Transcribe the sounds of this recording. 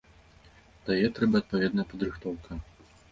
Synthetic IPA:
t̪ajɛt̪ɾɛbɐɐt̪̚pavʲɛd̪nɐjɐpɐd̪ɾɨxt̪ɔwkɐ

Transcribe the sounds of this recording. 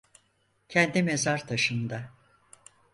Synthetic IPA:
cʰɛnd̪imezaɾt̪ʰaʃɯnd̪a

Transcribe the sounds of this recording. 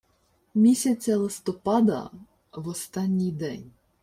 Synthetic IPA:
mʲisʲɐt͡sʲːɐlˠɪst̪ɔpɑd̪ɐ̰ | ʋɔst̪ɑnʲːijd̪ɛnʲ

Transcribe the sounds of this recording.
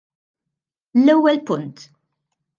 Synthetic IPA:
lɛwːɛlpʊnt̪

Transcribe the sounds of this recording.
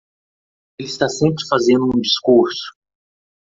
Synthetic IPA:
elɪst̪asẽmpɾɪfazẽnd̪ʊũd͡ʒiskuɾsʊ̥

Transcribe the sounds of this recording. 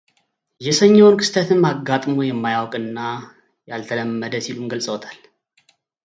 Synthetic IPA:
jɛsəɲːɛwnkʰɨ̥st̪ʰət̪ʰɨnːaɡːat̪ʼmojɛmːajawkʼɨnːa | jalt̪ʰələmːəd̪əsilumɡəlsʼəwɔt̪ʰal

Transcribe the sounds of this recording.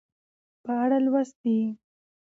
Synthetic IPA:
pəaɽalwast̪̚d̪i

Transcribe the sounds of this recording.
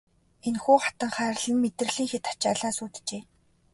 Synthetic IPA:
enxuːχḁt̪ə̆ŋχæːɾɮə̆mmːet̪r̆ɮiːŋxet̪ḁt͡ɕaɮaːsuːt̪t͡ɕeː

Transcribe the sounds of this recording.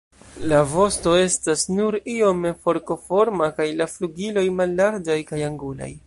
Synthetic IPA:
lavo̞sto̞e̞stasnuɾio̞mefo̞ɾko̞fo̞ɾmakajlafluɡilo̞jmalːaɾd͡ʒajkajaŋɡula̰j

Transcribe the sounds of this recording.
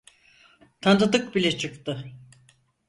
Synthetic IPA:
t̪ʰand̪ad̪ɯk̚bilʲɛt͡ʃʰɯkt̪ɯ

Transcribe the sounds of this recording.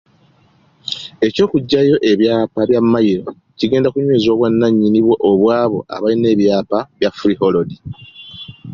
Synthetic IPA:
e̞co̞ːkuɟːajo̞ʔe̞βjaːpaβjamːajiɾo̞ | ciɡe̞ːndakuɲweːzo̞ːβwanːaɲːiniβweʔoβwaːβo̞ʔa̰βaline̞ːβjaːpaβjafɾiho̞lodi

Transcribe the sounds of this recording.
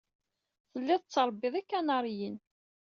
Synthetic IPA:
θəlːɪðˤt͡sːəɾˤbːɪðˤikːænɑɾˤjən

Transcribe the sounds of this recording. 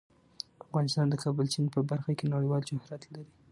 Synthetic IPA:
afɣɑnɪst̪ɑnd̪əkʰɑbəlt͡ʃinpəbaɾxakenaɽəjwɑld͡ʒʊhɾɑt̪laɾi

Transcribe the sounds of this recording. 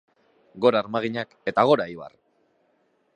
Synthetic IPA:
ɡo̞ɾaːɾmaɣ̞iɲake̞t̪aɣ̞o̞ɾaiβa̰r

